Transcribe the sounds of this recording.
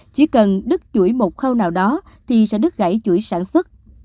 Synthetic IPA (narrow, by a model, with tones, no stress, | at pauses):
t͡ɕi˧˩kə˨˩nɗɨ˦˥k̚t͡ɕu˧˩əjmo˨˩t̚xəː˧wnaː˨˩wɗɔ˨˦ | t̪ʰi˨˩sɛ̰˧˥ɗɨ˦˥k̚ɣa̰˧˩jt͡ɕu˧˩əjsaː˧˩nswə˦˥t̚